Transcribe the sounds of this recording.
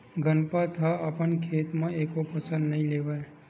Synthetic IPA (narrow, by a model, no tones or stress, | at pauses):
ɡʱənpat̪ʰaapənkʰeːt̪mãeːkopəsə̃nd̪nəɦĩleʋaj